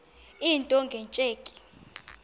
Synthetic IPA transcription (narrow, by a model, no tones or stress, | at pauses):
intʼɔŋɡʱɛnt͡ʃʼeːkʼi̥